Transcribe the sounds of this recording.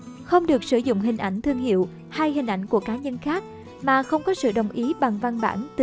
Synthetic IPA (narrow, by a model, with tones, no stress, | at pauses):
xə˧wŋ͡mɗɨ˨˩ək̚sɨ˧˩zʊ̰˧˨ŋ͡mɦï˨˩ŋ̟ʔa˧˩jŋ̟t̪ʰɨ˧əŋɦḭ˧˨əw | haː˧jhï˨˩ŋ̟ʔa˧˩jŋ̟ku˧˩əkaː˨˦ɲə˧nxaː˦˥k̚ | maː˨˩xə˧wŋ͡mkɔ˨˦sɨ̰˧˨ɗə˨˩wŋ͡mʔi˨˦ɓa˨˩ŋva˧nɓa̰ː˧˩nt̪ɨ˧˨